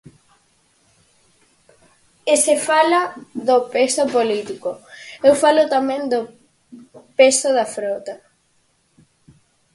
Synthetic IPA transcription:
esefalaðopesopolit̪ikoewfalot̪amẽŋd̪o | pesoðafɾot̪a

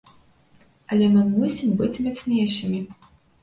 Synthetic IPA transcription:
ɐlʲɛmɨmusʲimbɨt͡sʲmʲɛsʲnʲeʃɨmʲi

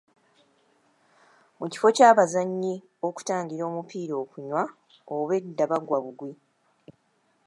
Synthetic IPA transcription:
muci̥fo̞caːβazaɲːi | o̞ku̥taːɲɟiɾo̞ːmupiːɾo̞ːkuɲwa | oβe̞dːaβaɡwaβuɡwi

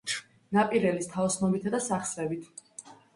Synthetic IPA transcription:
napʼiɾɛlist̪ʰaɔsnɔbit̪ʰad̪asaχsɾɛbit̪ʰ

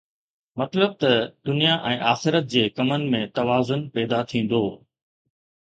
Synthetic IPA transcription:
mɐt̪ləb̚t̪ɐd̪ʊnijaʔɛ̃ːʔaːxɪɾət̪̚d͡ʑeːkɐmənɪ̆mẽt̪ɐʋaːzʊnpɛːd̪at̪ʰĩːn̆d̪oː

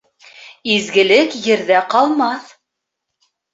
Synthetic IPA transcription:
izɡɘ̆lɘkjɘ̆ɾðæqɑlˠmɑθ

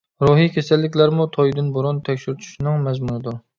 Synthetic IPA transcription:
ɾuɦikʲʰesɛlːɪkʲlæɾmut̪ʰɔjd̪ɨnboɾunt̪ʰɛkʲʃyɾt̪ʰu̥ʃnɨŋmɛzmunɨd̪uɾ

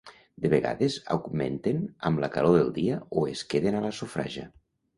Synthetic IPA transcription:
d̪eβ̞eɣa̰ðeza̰wɣmḛnt̪enəmlakaloðelˠd̪iəoeskeðenaləsufɾa̰ʒə̰

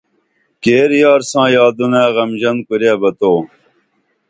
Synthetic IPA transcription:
keːɾjaːɾsãːjaːd̪unãːɣɐmʑɐnkuɾaːbɐt̪oː

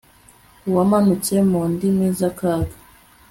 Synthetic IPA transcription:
uwamanut͡semuːndimiːzakaːɡḁ

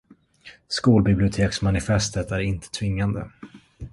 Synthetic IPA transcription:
skuːlbɪblɪʊt̪ʰeːksmanɪfɛst̪ət̪æɾɪnt̪ʰə̥t̪ʰvɪŋːand̪ə̰

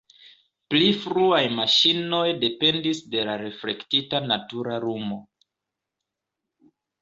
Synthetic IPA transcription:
plifɾuajmaʃino̞jde̞pe̞ndisde̞laɾe̞fle̞ktitanatuɾaɾumo̞

